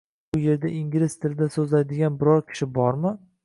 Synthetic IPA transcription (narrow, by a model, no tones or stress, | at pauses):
ʊje̞ɾd̪aʔiŋɡʲɪɾɪst̪ʰɪlɪd̪asɵzlajd̪ɪɡʲanbɪɾɒɾkʲʰɪ̥ʃɪbɒɾmɪ